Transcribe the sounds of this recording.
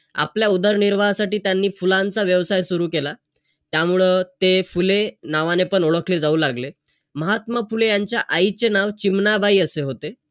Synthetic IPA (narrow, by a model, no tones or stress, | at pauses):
a̰pljaud̪əɾniɾʋaasaʈiːt̪janːiːfulant͡saʋjəʋsajsuɾuːkela | t̪jamuɭet̪efulenaʋanepəɳoɭəkled͡zauːlaɡle | məɦat̪məfulejaɲt͡ɕjaʔait͡senaʋt͡ɕimnabʱaiːəseɦot̪e